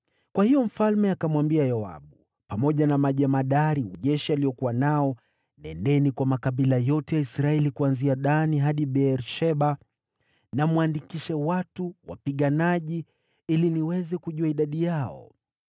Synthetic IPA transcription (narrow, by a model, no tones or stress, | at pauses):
kwahijɔm̩falmɛakamwambiajaa̰ɓu | pamɔʄanamaʄamaɗaɾiuʄɛʃialijɔkuwanaɔ | nɛ̰ndɛnikwamakaɓilajɔtɛjaisɾaɛlikuanziaɗaniɦaɗiɓɛɾʃɛɓa | namwandikiʃawatuwa̰piɠanaʄi | iliniwɛzɛkuʄuaiɗaɗijaɔ̰